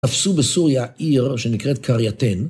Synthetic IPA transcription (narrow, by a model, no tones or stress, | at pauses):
afsubesuʁjaiʁʃenikʁetkʰaʁjat̪en